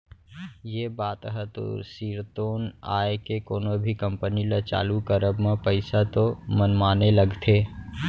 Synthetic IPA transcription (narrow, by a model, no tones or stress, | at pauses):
jebaːt̪ɦɛt̪o̰ːsiːɾt̪oːna̰ːekekoːnobʱikə̃mpənilət͡ʃa̰ːlukəɾəbmẽpəɪsat̪omənmaːneləɡt̪ʰeː